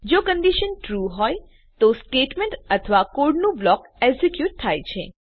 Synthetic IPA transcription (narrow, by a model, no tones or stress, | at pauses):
d͡ʒokəɳɖiʃənʈɾuɦɔj | t̪osʈeʈmẽɳʈət̪ʰəʋakoɾɖnũblɔkɛksekjuʈ̚t̪ʰajt͡ʃʰḛ